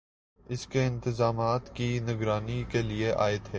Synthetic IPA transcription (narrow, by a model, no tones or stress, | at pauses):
ɪskeɪ̃nt̪ɪzaːmaːt̪kinɪɡɾaːnikelieʔa̰ːɪd̪ɦeː